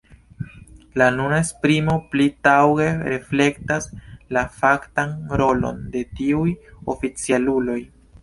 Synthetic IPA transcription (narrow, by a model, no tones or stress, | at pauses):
lanunaespɾimo̞plitawɡe̞ɾefle̞ktaslafaktanɾo̞lo̞̰nde̞tiujo̞̰fit͡sialulo̞j